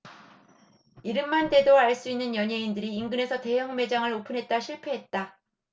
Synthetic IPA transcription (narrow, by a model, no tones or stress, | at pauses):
iɾɯmːante̞doaɭs͈uinːɯnjʌɲe̞indɯɾiːŋɡɯne̞sʰʌte̞ɦjʌŋme̞d͡ʑaŋɯɾopʰɯnɦe̞t̚t͈aɕʰiɭpʰe̞ɦe̞t̚t͈a